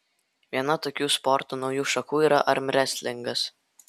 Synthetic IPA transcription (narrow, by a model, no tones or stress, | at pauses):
ʋʲiɛnɐt̪oːkʲuːspɔɾt̪uːnɒʊjuːʃɐkuːiːɾɐʔɐɾʲmʲɾʲɛsʲlʲɪŋɡɐs